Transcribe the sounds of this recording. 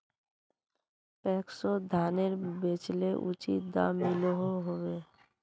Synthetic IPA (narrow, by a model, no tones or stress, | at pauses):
pɛːksod̪ʱaːneɾbeːt͡ʃleʔʊ̰t͡ʃid̪a̰mɪloɦoɦoweː